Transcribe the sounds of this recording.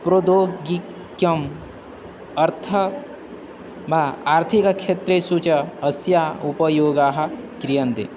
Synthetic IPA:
pɾod̪oːɡi | kjɐm | ɐɾt̪ʰɐ | bʱaaːɾt̪ʰikɐkʰet̪ɾesut͡ʃɐɐsjaupɐjoːɡaːɦɐkɾijɐnd̪ḛ

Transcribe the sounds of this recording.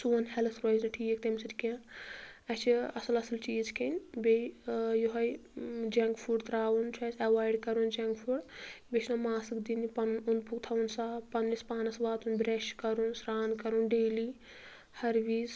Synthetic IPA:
suːɐnhɛlɐsɾoznɐʈʰiːek̚t̪emsit̪ʲkã | ɐt͡ʃʰiɐsɨlɐsɨlt͡ʃiːzkʰenʲbejoɦɐjd͡ʒaŋkpʰuːɖt̪ɾaːwunt͡ʃʰɐːsɐʋaːjɖkɐɾund͡ʒaŋkpʰuɖbet͡ʃʰnomaːsɨkd̪inipɐnunpʰukt̪ʰɐwunsaːpɐnːispaːnɐsʋaːt̪ʰunbɾeʃkɐɾunsɾaːnkɐɾunɖeːli | hɐɾʋiːz

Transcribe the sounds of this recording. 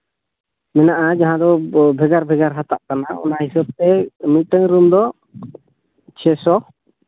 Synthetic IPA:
mɛnaʔad͡ʒaɦãd̪ɔbʱɛɡaɾbʱɛɡaɾɦat̪a̰ʔkanaɔ̰naɦisɔb̚t̪ɛmit̪̚ʈəŋɾumd̪ɔ | t͡ʃʰɛsɔ

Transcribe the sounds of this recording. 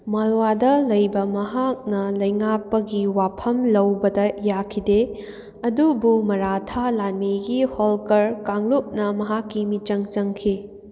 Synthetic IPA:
mɐlwadɐlɐjbɐmɐɦak̚nɐlɐjŋak̚pɐɡiwapʰɐmlɐwbɐdɐjakʰide | ɐdubumɐɾatʰalanmiɡiholkɐɾkaŋluk̚nɐmɐɦakːimit͡ʃɐŋt͡ʃɐŋkʰi

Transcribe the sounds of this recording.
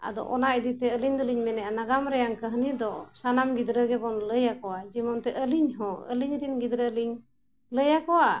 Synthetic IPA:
a̰d̪ɔ̰ʔɔnaʔid̪it̪ɛəliɲd̪ɔliɲmɛnɛanaɡamɾɛjaŋkəɦnid̪ɔsanamɡid̪ɾəɡɛbɔnləjakɔwad͡ʒimɔnt̪ɛʔəliɲɦɔ̃ə̰liɲɾinɡid̪ɾəliɲ | ləjakɔwa

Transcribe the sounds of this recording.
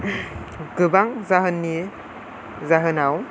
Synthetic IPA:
ɡɯbaŋzaɦɯnːi | zaɦɯnaw

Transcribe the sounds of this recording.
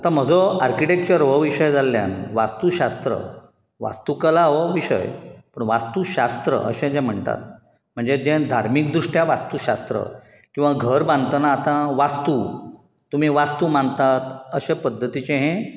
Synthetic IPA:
at̪ãm̤əd͡zɔaɾkiʈek̚t͡ɕəɾʋəʋiɕəjd͡zalːja̰nʋast̪uɕast̪ɾə̰ | ʋa̰st̪ukəlaʋəʋiɕə̰jpəɳʋast̪uɕast̪ɾə̰ə̰ɕɛ̃d͡zɛ̃m̤əɳt̪a̰t̪̚ | m̤əɳd͡zed͡ʑɛ̃d̪ʱaɾmikd̪ɾuʂʈjaʋast̪uɕast̪ɾə̰ | kĩw̃ʋaɡʱəɾbãnd̪t̪ənaːt̪ãʋast̪u | t̪ːum̤iʋast̪uːmãnt̪at̪əɕepəd̪ʱːət̪it͡ɕẽɦẽ

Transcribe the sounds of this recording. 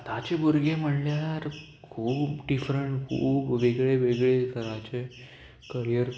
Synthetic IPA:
t̪at͡ɕebuɾɡem̤əɽljaɾ | kʰuːbbɖifɾəɳʈkʰṵːbʋeɡɭeʋeɡɭek̪əɾajt͡ɕe | kəɾijəɾ

